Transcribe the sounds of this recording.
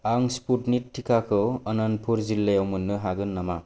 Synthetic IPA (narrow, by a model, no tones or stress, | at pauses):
aŋsputnitʰːikʰakʰɯwɐnanpʰuɾzilːejawmɯnːɯɦaɡɯnːama